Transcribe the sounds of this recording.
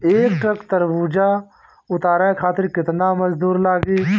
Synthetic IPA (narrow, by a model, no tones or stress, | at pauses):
eːk̚ʈɾəkt̪ɐɾbuːd͡ʒa | ʊt̪aːɾaẽkʰaːt̪ɪɾkɪt̪namɐd͡ʒd̪uːɾlaːɡe